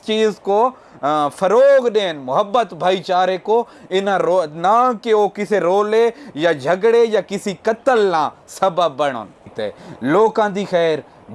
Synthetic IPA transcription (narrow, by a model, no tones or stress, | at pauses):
t͡ʃiːzko | fʰɐɾoːɡɗeːnmʊɦəbːət̪bʱaːit͡ʃaːɾeko | ɪnonãːkeokɪseɾoːlejad͡ʒʱɐɡɽejakɪsikɐt̪əlnãːsɐbəːɐɽ̃o̰ːnt̪ḛːloːkãːd̪iːxɛːɾ